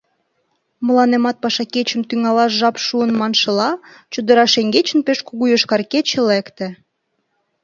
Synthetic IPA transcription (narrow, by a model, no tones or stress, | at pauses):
mə̆lɑnemɑt̪̚pɑʃɑket͡ɕə̆mt̪yŋɑlɑʃʒɑpʃuənmɑnʃə̆lɑ | t͡ɕud̪ə̆ɾɑʃeŋɡet͡ɕə̆npeʃkuɣujəʃkɑrket͡ɕelekt̪ĕ